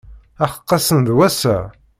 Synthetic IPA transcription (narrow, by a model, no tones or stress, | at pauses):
æχə̥qːɑsənðwæsæ